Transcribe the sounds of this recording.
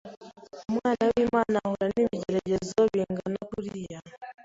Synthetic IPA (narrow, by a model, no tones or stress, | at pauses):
mwanawimanahuɾanimid͡ʒɛɾɛʄɛzɔβiŋɡanakuɾia